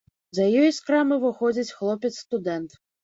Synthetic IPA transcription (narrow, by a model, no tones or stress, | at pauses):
zɐjɔjskɾamɨvɨxɔd͡zʲit͡sʲxlˠɔpʲɛt̪sːt̪ud̪ɛnt̪